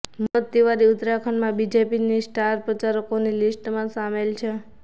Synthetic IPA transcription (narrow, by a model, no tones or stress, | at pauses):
mət̪t̪iʋaɾiʊt̪ɾakʰəɳmãbid͡ʒepinisʈaɾpɾət͡ʃaɾəkonilisʈmãsamelt͡ʃʰe